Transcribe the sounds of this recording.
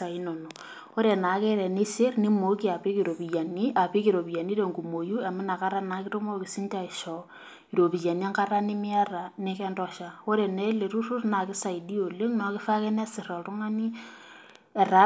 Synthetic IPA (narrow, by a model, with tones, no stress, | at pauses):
a˨i˦nɔ˨nɔ˨ | o˦ɾe˨na˨˦ke˦ɾɛ˨ne˦se˦rni˦mo˨ki˦a˨pɪ˦ki˨ɾo˨pi˨ja˨ni˦a˨pi˦ki˨ɾo˨pi˨ja˨ni˦ɾe˨ŋɡu˨mo˨ju˦a˨mɪ˦na˨ka˦ɾa˦na˨˦kɪ˦to˦mɔ˦kɪ˨si˦nta˦˨i˨ʃɔ˨ | i˨ɾo˨bi˨ja˨n˦a˦ŋka˦ɾa˦ni˦mɪ˦a˦ra˨ne˦kɛ˦ndɔ˦ʃa˨o˦ɾe˨nɛ˦le˨ɾu˦ru˦rna˨kɪ˦sa˨i˨di˦o˨le˦ŋnɔ˨˦kɪ˦fa˦ke˦nɛ˦sɪ˨rɔ˨ltʊ˦ŋa˦ni˦ | ɛ˨ɾa˦